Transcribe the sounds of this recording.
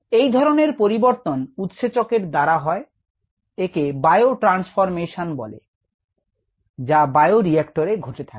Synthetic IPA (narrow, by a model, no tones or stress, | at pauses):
ejd̪ʱɔɾoneɾpoɾiboɾt̪onut̪ʃet͡ɕokeɾd̪aɾaɦɔe | ekebaeoʈɾansfoɾmeʃanbɔ̰lḛ | d͡ʑabajoɾiɛkʈoɾeɡʱoʈet̪ʰake̥